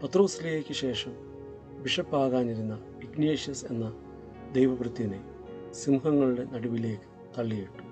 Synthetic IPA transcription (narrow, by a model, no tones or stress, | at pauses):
pɐt̪ro̞ːsileːkʲːɨɕe̞ːʂɐm | ʋiʂɐpːaːɣaːniɾunːɐ | iɡneːʂjɐse̞̰nːɐ | d̪ejʋɐʋrɨt̪ːiɐne | simuɦɐŋːɐɭuɽe̞nɐɽuʋileːkːɨ̥ | t̪ɐɭːijiʈːu̥